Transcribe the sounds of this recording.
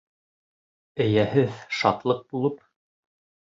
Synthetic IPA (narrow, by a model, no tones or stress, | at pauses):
ɘ̆jæhɘðʃɑt̪lˠɤq̚bulˠɤp̚